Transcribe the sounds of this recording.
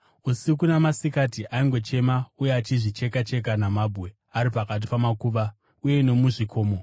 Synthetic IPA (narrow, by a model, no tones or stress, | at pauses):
usik̬unamasikatiʔaiŋɡo̞t͡ʃe̞maujeat͡ʃiʐit͡ʃe̞kat͡ʃe̞k̬anamaːbʱɣe̞ | aɾipakat̬i̥pamakuːʋa | uje̞no̞muʐikʰo̞ːmo̞